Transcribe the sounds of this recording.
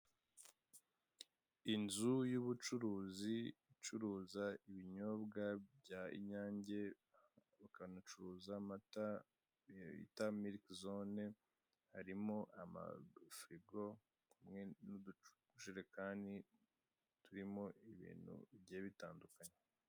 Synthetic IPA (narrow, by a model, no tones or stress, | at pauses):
inzujuβut͡ʃuɾuːziit͡ʃuɾuːzaiβiɲoːbɡabɟaḭɲaːɲɟe̞ | βakanut͡ʃuɾuːzamata | ḭtamiɾikzone | haɾimoʔama̰fɾiɡo̞ | umŋenudu | uʃuɾekaːndi | tuɾimo̞iβḭːn̤̥hṵβɟeːβitaːndukaɲe